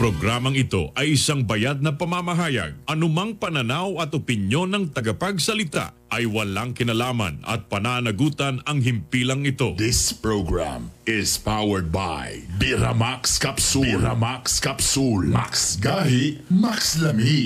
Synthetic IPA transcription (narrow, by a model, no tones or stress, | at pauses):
pɾoɡɾamɐŋɪt̪o̞̰ʔɐjɪsaŋbɐjad̪̚nɐpɐmamɐɦaːjɐ̰ɡ̚ʔɐnʊmɐŋpɐnɐnawɐt̪opɪnjo̞nːɐŋt̪ɐɡɐpɐɡsɐlɪt̪a̰ʔʔɐjwɐlaŋkɪnɐlaːmɐ̰nɐ̰t̪̚pɐnanɐɡuːt̪ɐnɐŋɦɪmpilɐŋɪt̪o̞d̪ɪspɹoɡɹa̰mɪspawɛɹd̪̚ba̰jjbɪɾa̰makskɐpsuɾa̰makskɐpsulmaksɡahɪmakslɐmi